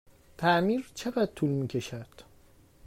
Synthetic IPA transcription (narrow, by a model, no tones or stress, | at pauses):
t̪ʰæmiɾt͡ʃʰe̞ɣæd̪̚t̪ʰulmiːcʰe̞ʃæd̪̥